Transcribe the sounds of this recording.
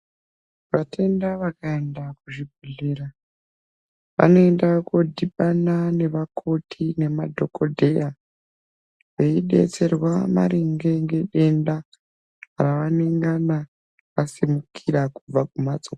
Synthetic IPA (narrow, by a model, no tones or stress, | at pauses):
ʋatʰe̞ndaʋakaendak̚uʐibʱuɮeːɾa | ʋa̰no̞endakodʱiɓanane̞ʋakʰo̞tʰine̞madʱo̞ko̞dʱe̞ja | ʋe̞iɗe̞̰t͡se̞rwama̰ɾiŋɡe̞ŋɡe̞ɗe̞nda | ɾaʋaneŋɡana | kasimukʰiɾakub͡vakumad͡zok